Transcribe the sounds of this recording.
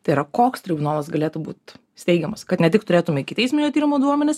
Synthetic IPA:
t̪ɐɪiːɾɐkoːkst̪ʲɾʲɪbʊnaːlˠɐsɡɐlʲeːt̪ʊbuːt̪ʲ | sʲt̪ʲɛɪɡʲɛmɐskɐt̪nʲɛt̪ʲɪkt̪ʊɾʲeːt̪ʊmʲɛkʲɪt̪ɐɪsʲmʲɪnʲjot̪ʲiːɾʲɪmoːd̪uɔmʲɛnʲɪs

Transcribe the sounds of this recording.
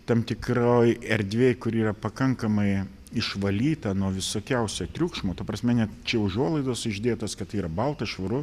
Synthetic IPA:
t̪ɐmt̪ʲɪkroːjɛɾʲd̪ʲʋʲeːjkʊɾiːɾɐpɐkɐŋkɐmɐɪ | ɪʃʋɐlʲiːt̪ɐnuɔʋʲɪsoːkʲɛʊsʲoːt̪ʲɾʲuːkʃmoːt̪ɐpɾɐsʲmʲɛnʲɛtt͡ʃʲɛʊʒuɔlˠɐɪd̪oːsɪʒʲd̪ʲeːt̪oːskɐt̪ɐiːɾɐbɐlˠt̪ɐʃʋɐɾʊ

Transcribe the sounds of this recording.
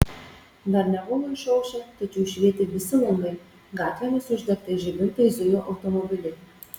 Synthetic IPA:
d̪ɐɾnʲɛbʊloɪʃɔʊʃʲɛt̪ɐt͡ʃʲɛʊʃʲʋʲiɛt̪ʲɪʋʲɪsʲɪlˠɐŋɡɐɪ | ɡɑːt̪ʲʋʲɛnʊsʊʒʲd̪ʲɛkt̪ɐʒʲɪmʲɪnt̪ɐɪzʊjoːʔɐʊt̪omɔbʲɪlʲɛɪ

